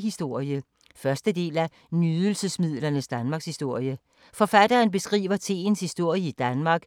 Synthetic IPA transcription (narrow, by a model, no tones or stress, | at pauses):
ɦisd̥o̝ɐ̰jə | fɶɐsd̥əd̥e̝̰ːlæ | nyðˠl̩səsmið̞̰ˠlɐnəsd̥ænmɑ̈ɡ̥shisd̥o̝ɐ̰jə | fɒ̽fæd̥ɐːnb̥e̝sɡ̥ʁḭːʋɐt͡sʰe̝̰ːn̩shisd̥o̝ɐ̰jəid̥ænmɑ̈ːɡ̥